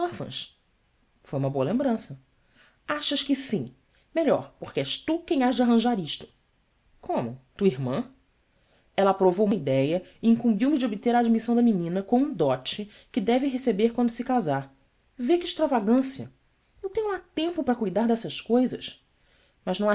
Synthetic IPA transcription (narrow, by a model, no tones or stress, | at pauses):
aɾfɐ̰̃ʃ | fojũmɐboɐlẽmbɾɐ̃sɐ | aʃɐʃkɪsĩ | meʎɔ̰ɾpoχkɪɛʃt̪ukẽj̃aʒd͡ʒɪaɦɐ̃ʒaɾiʃt̪ʊ̥ | kʰõmʊt̪uiɾmɐ̰̃ | ɛlɐːpɾovowumɐid̪ɛjɐiĩŋkũmbiwmɪd͡ʒɪobit̪eɾaːd͡ʒmisɐ̃w̃d̪ɐminĩnɐkõw̃ũd̪ɔt͡ʃɪ | kɪd̪ɛvɪɦesebeɾkwɐ̃nd̪ʊsɪkazaɾ | vekɪʃt̪ɾavaɡɐ̃siɐ̰ | ewt̪ẽɲʊat̪ẽmpʊpɾɐkujd̪aɾd̪ɛsɐʃkojzɐʃ | mɐʒnɐ̃w̃a